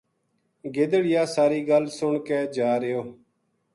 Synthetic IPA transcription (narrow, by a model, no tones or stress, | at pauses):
ɡɪd̪əɽɪjaːsaːɾiːɡəlsʊɳkeːd͡ʒaːɾejoː